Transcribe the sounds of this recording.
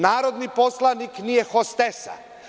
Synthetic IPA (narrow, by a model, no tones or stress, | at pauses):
naːɾod̪niposlˠaniknijexost̪esa̰